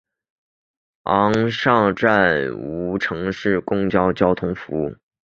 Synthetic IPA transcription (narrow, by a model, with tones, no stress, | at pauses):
ɑ˧˥ŋʂɑ˥˧ŋʈ͡ʂa˥˩nu˧˥ʈ͡ʂʰɤ˧˥ŋʂɻ̩˥˩kʊ˥ŋt͡ɕjɑ˥ʊt͡ɕjɑ˥ʊt̪ʰʊ˥ŋfu˧˥